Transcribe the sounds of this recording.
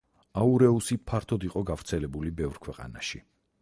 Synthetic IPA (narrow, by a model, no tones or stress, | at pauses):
auɾɛusipʰaɾt̪ʰɔd̪iqʼɔɡavɾt̪sʰɛlɛbulibɛvɾkʰwɛqʼa̰na̰ʃi